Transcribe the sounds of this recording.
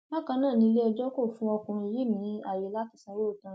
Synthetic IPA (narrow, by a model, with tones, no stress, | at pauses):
ba˦kã˧nãː˦˨nĩ˧i˧le˦ɔ˧d͡ʒɔ˦ko˦˨fũ˧˦ɔ˧kũ˨ɾ̃i˧ji˦mĩ˨˦a˨je˨˦la˦ti˨˧˦sã˧˦ɾo˦˨tã˧˦